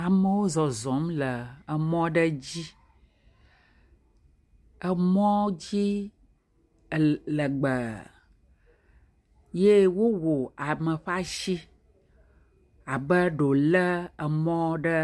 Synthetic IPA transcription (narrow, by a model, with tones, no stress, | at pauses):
a˨mə˦wo˦zɔ˨zɔ˨˦mlə˨ə˨mɔ̃˦ɖə˦d͡ʑi˦ | ə˨mɔ̃˦d͡ʑi˦˨ | lə˨ɡ͡bə˨ | je˦wo˦wo˨a˨mə˨ɸa˦ʃi˦ | a˨bə˦ɖo˨lə˦ə˨mɔ̃˦ɖə˦